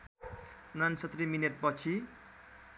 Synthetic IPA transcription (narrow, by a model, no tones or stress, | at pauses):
unansʌt̪rimineʈ̚pʌt͡sʰi